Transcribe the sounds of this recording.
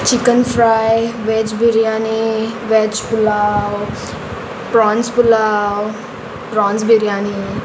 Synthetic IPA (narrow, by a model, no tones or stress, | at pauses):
t͡ʃikənfɾajʋet͡ʃbiɾjaːniʋet͡ʃpulaw | pɾaːnspulaw | pɾaːnzbiɾjaːni